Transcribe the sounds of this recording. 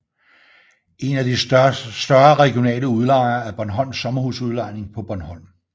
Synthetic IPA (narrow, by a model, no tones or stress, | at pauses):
e̝næd̥isd̥ɶɐʁɛɡ̥io̝nɛ̰ːləuð̞ˠlɑ̈ɪ̰nɐæɐb̥ɒnɦɒ̽n̰sːɒ̽mɐhusuð̞ˠlɑ̈ɪ̰ne̝ŋpʰɒ̽b̥ɒnhɒ̽n̰